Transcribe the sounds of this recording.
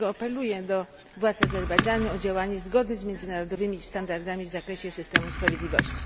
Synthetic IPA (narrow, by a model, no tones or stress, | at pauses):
ɔapɛlujɛd̪ɔ | vwat̪sazɛɾbɛjd͡ʐanuɔd͡ʑawaɲɛzɡɔd̪ɲɛzmʲjɛnzɘnaɾɔd̪ɔvɘmʲist̪and̪aɾd̪amʲivzakɾɛɕɛsɘst̪ɛmuspɾavʲjed̪lʲivɔɕt͡ɕi̥